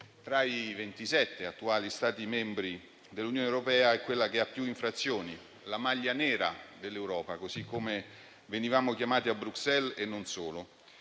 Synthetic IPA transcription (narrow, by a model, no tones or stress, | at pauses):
t̪ɾaivent̪isɛt̪ːeat̪ːuaːlist̪aːt̪imɛmbɾi | d̪elːunjoːnewɾopɛːaɛkːwelːakeapːjuiɱfɾat̪sːjoːni | lamaʎːanɛːɾa̰d̪elːewɾɔːpakozikʰːome | venivaːmok̟jamaːt̪iabɾuksɛlenːonsoːlo